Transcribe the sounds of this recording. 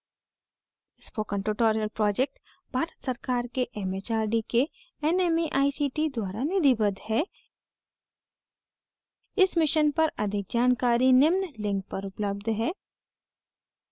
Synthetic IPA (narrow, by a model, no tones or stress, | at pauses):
ɪspoːkə̃ɳʈuːʈoːɾijəlpɾɔːd͡ʒek̚ʈ | b̥ʱaːɾət̪sɐɾkaːɾkeʔɛmet͡ʃaːɾɖike | ɛneːmiʔaːisiːʈid̪waːɾanɪd̪ibəd̪hɛː | ɪsmɪʃənpɐɾɐd̪ʱɪk̚d͡ʒaːnkaːɾinɪmnlɪ̃ŋk̚pɐɾʊpləb̚d̪ʱɦɛː